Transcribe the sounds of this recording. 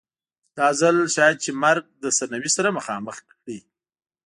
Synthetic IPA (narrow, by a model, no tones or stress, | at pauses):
d̪̥ɑzalʃɑjad̪̚t͡ʃemaɾɡ̚d̪əsanawisaɾaməxɑməx | ɽi